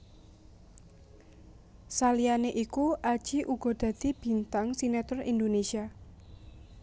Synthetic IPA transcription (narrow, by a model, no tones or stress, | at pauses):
salijaneʔikuʔad̥ʒ̥i̤ʔuɡ̥ɔ̤d̪̥ä̤d̪̥i̤b̥i̤nt̪aŋsinat̪ɔrḭnd̪onesia